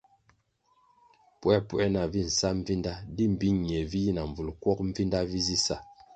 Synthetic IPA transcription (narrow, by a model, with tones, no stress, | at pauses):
pwɛ˦pwɛ˦na˨vi˦˨n̩˨sa˦m̩˦vi˦nda˦di˦m˨bi˦ɲ˨ɲ˨ɛ˨vi˦ji˦na˨ɱ˨b͡vu˨lkwɔ˦k̚ɱ̩˦vi˦nda˦vi˦zi˦sa˦˨